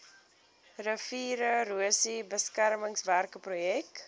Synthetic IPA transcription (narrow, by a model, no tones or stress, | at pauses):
rəfiːɾəruəsibəskæɾməŋsværkəprujɛk